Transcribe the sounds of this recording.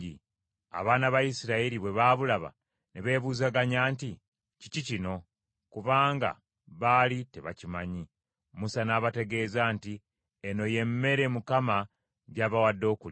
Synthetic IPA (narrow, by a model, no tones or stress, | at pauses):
i | a̰βaːnaβajisiɾaiɾiβwe̞βaβulaβa̰ | neβe̞ːβuːzaɡaɲaːnti | ci̥cicino̞ | kuβaːŋɡa̰ | βalite̞βa̰cimaɲi | musanaːβate̞ɡe̞ːzaːnti | eno̞je̞mːe̞ɾe̞mukama | ɟaβawadːo̞ːkul